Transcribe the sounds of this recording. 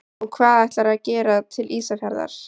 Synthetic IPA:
ɔɣkʰvaːðɛjht̪laɾaðcɛːɾat̪ʰɪlʔiːsafjaɾða̰ɾ̥

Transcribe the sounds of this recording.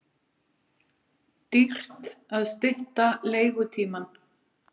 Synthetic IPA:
t̪ir̥t̪aðst̪ɪht̪aleːjɣʏt̪ʰiːman

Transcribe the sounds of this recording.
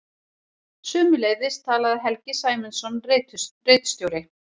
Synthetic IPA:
sʏːmʏleːjðɪst̪ʰaːlaðɪɦɛlcɪsaːjmɪnsɔnret̪reːt̪st̪jowɾɪ

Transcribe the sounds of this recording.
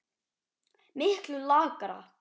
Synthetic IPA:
mɪhklʏlaːkaɾa̰

